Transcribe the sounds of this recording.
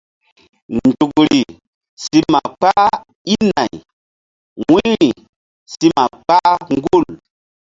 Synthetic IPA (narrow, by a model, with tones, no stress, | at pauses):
ndu˨kɾi˨ | si˦mma˨k͡pa˦ | i˦na˨j | wi˦ɾi˨ | si˦ma˨k͡pa˦ŋɡu˦˨l